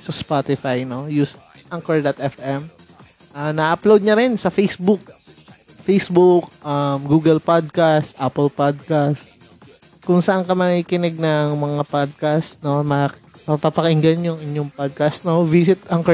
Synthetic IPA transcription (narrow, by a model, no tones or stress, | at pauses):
sɐspat̪ɪfajnojust̪̚ | ʔaŋkɛɹd̪ɐt̪̚ʔɛfʔɛm | ʔanɐʔɐplowd̪̚ɲɐɾɛnsɐfejsbʊk̚ | fejsbʊk̚ʔɐmɡuːɡɛlpad̪̚kast̪ʔapɛlpad̪̚kast̪ | kʊŋsɐʔaŋkɐmɐkiːkɪnɛɡ̚nɐŋmɐŋapad̪̚kasno̞mɐ | pɐpapɐkɪŋɡɐnjʊŋɪɲjoŋpad̪̚kɐst̪no̞visɪt̪̚ʔaŋkɛ